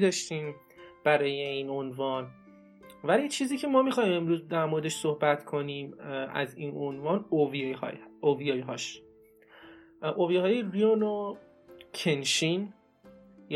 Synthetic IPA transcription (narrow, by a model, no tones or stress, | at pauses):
d̪ɒːʃt̪iːm | b̥æɾɒːje̞iːno̞nvɒːn | vælit͡ʃʰiːziːcʰemɒːmixɒːiːme̞mɾuːzd̪æɾmoɾed̪e̞ʃsohbæt̪kʰo̞niːmʔæ̰ziːnʔonvɒːnovihɒ̰ːjovijɒːjɦɒːʃ | ʔovijɦɒːjeɾiono | cʰenʃiːn | j